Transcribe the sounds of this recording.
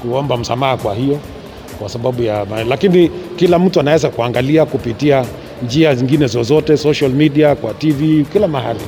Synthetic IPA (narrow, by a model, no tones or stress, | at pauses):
kuɔmbam̩sa̰mahakwahijɔ | kwasaɓaɓujamalakinikilam̩tuanawɛzakuaŋɡaliakupitia | nd͡ʒiaziŋɡinɛzɔzɔtɛsɔʃalmiɗiakwativikilamahali